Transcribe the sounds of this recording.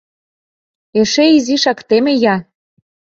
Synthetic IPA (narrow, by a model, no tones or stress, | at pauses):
eʃeiziʃɑkt̪emĕjɑ